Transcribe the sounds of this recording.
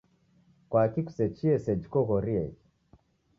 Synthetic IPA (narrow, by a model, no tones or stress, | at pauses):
kwakiku̥sɛt͡ʃiɛsɛd͡ʒikɔɣɔɾiɛd͡ʒ